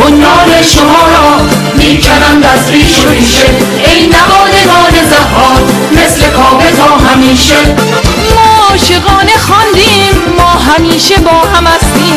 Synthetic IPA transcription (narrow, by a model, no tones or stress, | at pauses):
ʔonvɒːneʃomɒːɾɒː | miːt͡ʃʰæɾænd̪æsɾiːʃomiːʃe | ejnævɒːd̪eɡɒːne̞zæhɒːt̪ | me̞sle̞kʰɒːbezɒːɦæmiːʃe | mɔːʃeɣɒːne̞xɒnd̪iːmːɒːɦæmiːʃe̞bɒːɦæmhæst̪iːm